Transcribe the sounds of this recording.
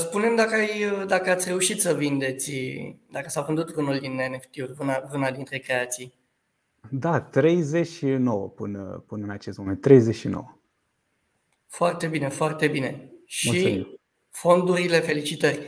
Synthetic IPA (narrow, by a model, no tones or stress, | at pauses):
spune̞md̪akəajəd̪akəat̪sʲre̞uʃit̪səvind̪e̞t̪sʲd̪akəsawvɨnd̪ut̪vɨnulʲd̪ineneft̪eurʲvɨnavɨnad̪int̪ɾekɾe̞at̪sij | d̪at̪ɾe̞jzet͡ʃʃino̞wə̰pɨnə̰pɨnɨnat͡ʃest̪mument̪ːɾejzet͡ʃʃino̰wə | foart̪e̞bine̞foart̪e̞bine̞ʃmuimiw | fo̞nd̪uɾile̞fe̞lit͡ʃit̪ərʲ